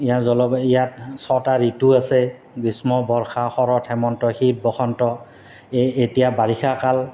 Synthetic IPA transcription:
ijazɔlɔbijat̚sɔtaɹituasɛ | ɡismɔbɔɹxaxɔɹɔtʰɛmɔntɔxit̚bɔxʰɔntɔ | etijabaɹixʰakal

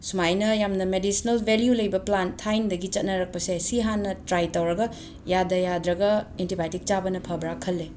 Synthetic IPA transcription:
sumajnɐjamnɐmedisinɐlbʱeljulɐjbɐplantʰajndɐɡit͡ʃɐt̚nɐɾɐk̚pɐsesiɦanːɐtɾajtɐwɾɐɡɐ | jadɐjadɾɐɡɐentibajtik̚t͡ʃabɐnɐpʰɐbɾakʰːɐlːe

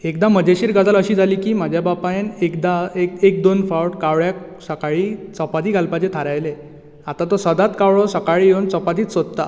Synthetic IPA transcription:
ekd̪aməd͡ʑeɕiːɾɡad͡zʱaləɕiːd͡zaliːkiːm̤ad͡ʑʱjabapajnekd̪aekek̚d̪onfawʈkaʋɭjak̚ | səkaɭiːt͡sɔpat̪iːɡalpat͡ɕet̪ʰaɾajle | at̪at̪ɔsəd̪at̪kawɭɔsəkaɭiːjownt͡sɔpad̪iːt͡ssod̪t̪a

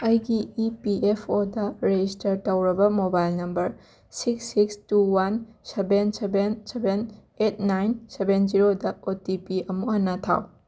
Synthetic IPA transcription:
ɐjɡiːpiepʰodɐɾed͡ʒistɐɾtɐwɾɐbɐmobajlnɐmbɐɾ | siksːikstuwansebensebenseben | et̚ʰnajnsebend͡ʒiɾodɐotipiɐmuhɐnːɐtʰa̰w

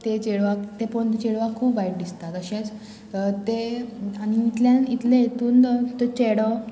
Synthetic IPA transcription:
t̪et͡ɕeɭʋakt̪epəɳt͡ɕeɭʋakʰːuːpʋajʈ̚d̪ist̪at̪əɕẽt͡s | t̪eañiːt̪ljãnit̪lẽjet̪uːnt̪et͡ɕeɽə

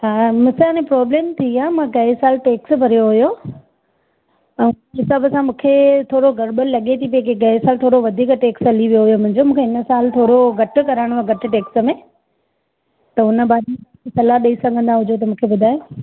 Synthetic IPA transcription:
ɦaːmɐ̃slanẽpɾɔːbleːmt̪ʰiaːmãkɐɪsaːlʈeːksbʱɐɾijoɦʊjo | ɛ̃ | ɦɪsəbəsãmũːkʰet̪ʰoːɽoɡɐɾɓəllɐɠet̪ʰip̬ɐkekɐɦɪsaːlt̪ʰoːɽoʋɐd̪ʱiːkʈeːksɐliʋijoɦijomʊ̃ɦɪ̃ɲd͡ʑomũːkʰeɦɪnəsaːlt̪ʰoːɾoɡʱɐʈʊ̆kɐɾaːɪɽ̃aɡɐʈɪ̆ʈeːksə̆mẽ | t̪ɐɦʊnə̆bʱaːi | sɐlaɗɐisɐɡʱə̃nd̪aɦʊd͡ʑʱot̪ɐmũːkʰebʊd̪ʱaːje

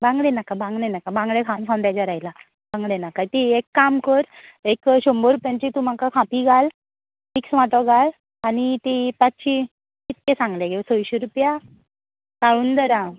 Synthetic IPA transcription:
bãŋɡlenakabãŋɡlenakabãŋɡɭekʰãwnkʰãwnd̪ad͡ʑaɾajla | bãŋɡlenakat̪iekːamkəɾekɕomboɾupjaɲt͡ɕit̪um̤akakʰãpiɡʱal | miksʋaʈ̪ɔɡʱal | anit̪ipat͡sɕi | kit̪kesãŋɡleɡesojɕeɾupja | kaɭuːnd̪əɾã

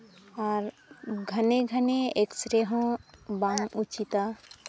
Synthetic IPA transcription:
aɾ | ɡʱəneɡʱəneeksɾeɦɔ̃baŋut͡ʃit̪a

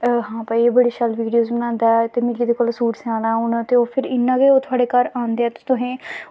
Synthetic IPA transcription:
ɦãːpaːiebəɽeːʃəlʋiːɖijoːzbənãːnd̪aːɛt̪eːmɪliːd̪eːkoːlsuːʈsãːnaːunt̪eːoːpʰɪɾɪnːãːɡeːoːt̪ʰʊaːɽeːkaɾãːnd̪eːɛːt̪eːt̪ʊɦẽː

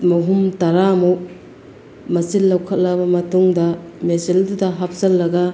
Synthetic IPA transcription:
mɐɦumtɐɾamu | mɐsilːɐwkʰɐt̚lɐbɐmɐtuŋdɐmesildudɐɦap̚sɐlːɐɡɐ

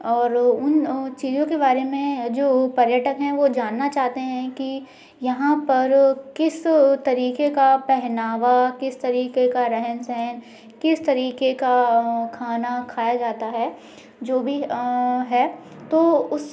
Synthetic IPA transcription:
ɔːɾʊnt͡ʃiːzõkebaːɾemẽd͡ʒoːpɐɾjəʈəkɦɛ̃ʋod͡ʒaːnːat͡ʃaːɦt̪eɦɛ̃ki | jɐɦãpɐɾkɪst̪ɐɾiːqekapɛɦnaːʋakɪst̪ɐɾiːkekaɾɛɦənsɛɦɛn | kɪst̪ɐɾiːkekakʰaːnakʰaːjad͡ʒaːt̪aɦɛː | d͡ʒoːbʱiɦɛː | t̪oːʊs

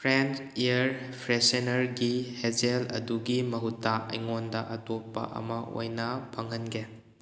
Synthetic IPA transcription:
pʰɾent͡ʃijɐɾ | pʰɾesenɐɾɡihed͡ʒelɐ̰duɡimɐɦutːaɐ̰jŋondɐʔɐtopːɐ̰ʔɐ̰mɐo̰jnɐpʰɐŋɐnɡe

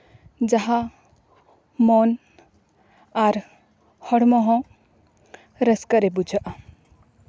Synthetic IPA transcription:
d͡ʒaɦa | mɔn | aɾ | hɔɽmɔɦɔ̃ | ɾəskaɾɛbud͡ʒʱaʔa

